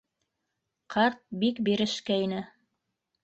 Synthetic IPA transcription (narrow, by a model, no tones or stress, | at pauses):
qʰɑɾt̪̚bikbiɾɘ̆ʃkæinɘ